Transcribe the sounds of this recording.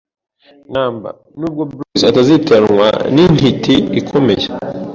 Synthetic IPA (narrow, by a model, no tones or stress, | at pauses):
naːmba̰ | nuːb̚ɡo̞bɾisatazitenwa̰nin̥hitʰiikʰo̞me̞je